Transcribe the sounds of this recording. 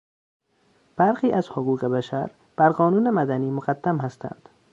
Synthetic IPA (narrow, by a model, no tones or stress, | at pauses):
b̥æɾxiːʔæzhoɣuːɣebæʃæɾ | b̥æɾɢɒːnuːnemæd̪æniːmoɢad̪ːæmhæst̪ʰæ̰nd̪̥